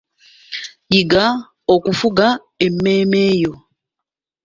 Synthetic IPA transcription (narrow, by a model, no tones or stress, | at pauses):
jiɡa | okufuɡa | emːeːmeːjo